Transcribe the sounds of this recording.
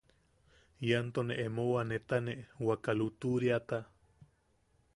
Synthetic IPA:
jant̪oneʔemowanet̪aneʔwakalut̪uɾjat̪a

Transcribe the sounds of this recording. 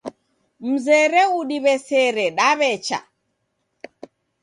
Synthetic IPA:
m̩zɛɾɛuɗiβɛsɛɾɛɗaβɛt͡ʃa̰

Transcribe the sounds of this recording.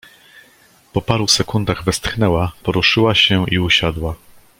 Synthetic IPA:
pɔpaɾusɛkund̪aɣvɛst̪xnɛwapɔɾuʂɘwaɕɛiuɕad̪wa

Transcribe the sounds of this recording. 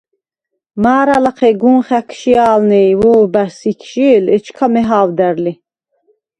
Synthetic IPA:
maːɾalaqʰɛɡunχækʰʃiaːlnɛjvɔːbæɾsikʰʃiːlɛt͡ʃʰkʰamɛɦaːvd̪æɾli

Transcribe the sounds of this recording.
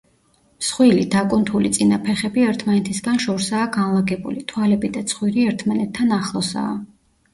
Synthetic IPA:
sχwilid̪akʼunt̪ʰulit̪sʼinapʰɛχɛbiɛɾt̪ʰmanɛt̪ʰisɡanʃɔɾsaːɡanlˠaɡɛbṵlit̪ʰwalɛbid̪at̪sʰχwiɾiɛɾt̪ʰmanɛt̪ʰːanaχlˠɔsa̰ː

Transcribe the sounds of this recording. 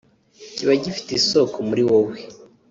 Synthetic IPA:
ciβaɟifi̥tesokomuɾiwowe

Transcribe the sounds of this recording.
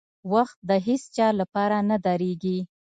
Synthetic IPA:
waxt̪̚d̪əɦest͡ʃɑlapɑɾanad̪ɑɾeɡi

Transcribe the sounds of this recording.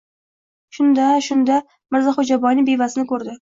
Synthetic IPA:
ʃʊnd̪aʃʊnd̪a | mɪɾzaχod͡ʒabɒjnɪbevasɪnɪkʰɵɾd̪ɪ

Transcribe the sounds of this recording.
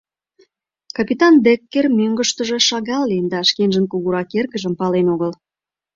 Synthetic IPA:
kɑpit̪ɑnd̪ekːermøŋɡə̆ʃt̪ə̆ʒe̽ʃɑɣɑlːend̪ɑʃkenʒənkuɣuɾɑkerɣə̆ʒə̆mpɑlenoɣəl

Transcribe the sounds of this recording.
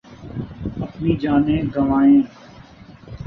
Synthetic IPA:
əpniːd͡ʒaːnẽːɡəʋaːẽː

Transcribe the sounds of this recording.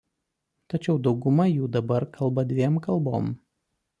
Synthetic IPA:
t̪ɐt͡ʃʲɛʊd̪ɒʊɡʊmɐjuːd̪ɐbɐɾkʰɐlˠbɐd̪ʲʋʲiɛmkɐlˠˑboːm

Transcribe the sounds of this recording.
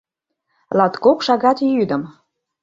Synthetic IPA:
lɑt̪kokʃɑɣɑt̪jyd̪ə̆m

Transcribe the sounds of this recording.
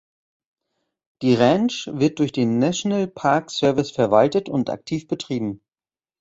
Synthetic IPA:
d̥iːʁɛnʃvɪɐt̚d̥ʊɐçd̥eːnːaʃonalpʰaɐksœɐvɪsfɛɐvaltətʊntʔa̰k̚tʰiːfb̥ətʁ̥iːbm̩

